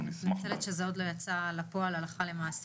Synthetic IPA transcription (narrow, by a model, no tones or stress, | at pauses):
mat͡selet̪ʃezeod̪lojat͡salapoalalaχalemaːs